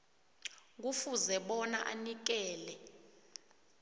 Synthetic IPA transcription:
k̬ufuzɛɓɔnaʔanik̬ɛːlɛ

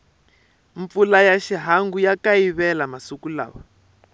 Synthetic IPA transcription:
ɱp̪fulajaʃiɦaŋɡujakaiβɛlamasukula̰ːwɔ

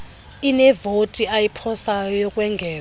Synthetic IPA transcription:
inɛvotʼiajipʰɔsajɔjɔkʼwɛŋɡʱɛː

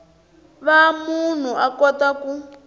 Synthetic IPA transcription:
βamun̤uakɔtaku

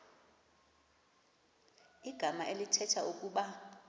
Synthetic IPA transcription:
iɡ̥ʱamaʔelitʰɛtʰaʔukʼuɓa

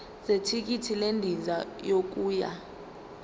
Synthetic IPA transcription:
setʰik̬itʰilendʱizajok̬uːja̰

